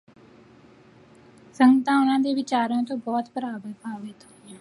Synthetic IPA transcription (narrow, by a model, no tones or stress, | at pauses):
səŋɡt̪ãːʊnãːd̪eːʋɪt͡ʃaːɾõːt̪õːbɔːt̪bəɾaːbəɾpaːʋeːt̪ʰo̥